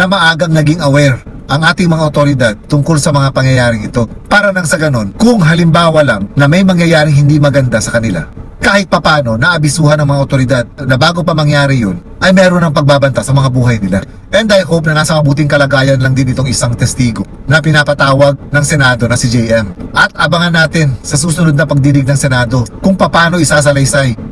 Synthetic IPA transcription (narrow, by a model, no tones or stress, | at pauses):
nɐmɐʔaːɡɐŋnɐɡiŋʔɐwɛɾʔɐŋʔaːt̪ɪŋmɐŋaʔot̪oɾɪd̪ad̪̚t̪ʊŋko̞lsɐmɐŋapɐŋjɐjaːɾɪŋɪt̪o̞paːɾɐnɐŋsɐɡɐno̞nkʊŋɦɐlɪmbaːwɐlamnɐmɐjmɐŋjɐjaːɾɪŋhɪnd̪imɐɡɐnd̪asɐkɐnɪla̰kaːhɪt̪̚pɐpaːno̞nɐʔɐbɪsuːhɐnɐŋmɐŋaʔot̪o̞ɾɪd̪ad̪̚nɐbaːɡo̞pɐmɐŋjaːɾɪjon | ʔɐjmɛːɾonɐŋpɐɡ̚baːbɐnt̪asɐmɐŋabuːɦɐjnɪla | ʔɛnd̪ɐjkop̚nɐŋasɐmɐbuːt̪̬ɪŋkɐlɐɡaːjɐnlɐŋd̪ɪnɪt̪o̞ŋɪsaŋt̪ɛst̪iːɡo̞ | nɐpɪnapɐt̪aːwɐɡ̚nɐŋsɛnaːd̪o̞nɐsɪd͡ʒɛjʔɛmʔɐt̪ʔɐbɐŋɐnːaːt̪ɪnsɐs̬uːsʊnod̪̚nɐpɐɡ̚d̪iːlɪɡ̚nɐŋsɛnaːd̪o̞kʊŋpɐpaːno̞ʔɪsas̬ɐlɐjsaj